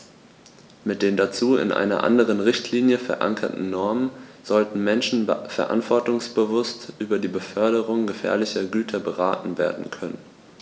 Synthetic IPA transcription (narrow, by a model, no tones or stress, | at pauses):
mɪt̚d̥eːmdat͡suːɪ̰nʔa̰ɪnɐ̰ʔa̰ndəʁ̞ənʁɪçtʰliːnjəfɛɐʔa̰ŋkʰɐ̰tn̩nɔɐmənz̥ɔltn̩mɛnʃn̩fɛɐʔa̰ntv̥ɔɐtʊŋsb̥əvʊstʔyːbɐdiːbəfœɐɾəʁʊŋɡəfɛ̰ːɐlɪçɐɡyːtʰɐbəʁaːtn̩vḛːɐdn̩kʰœnən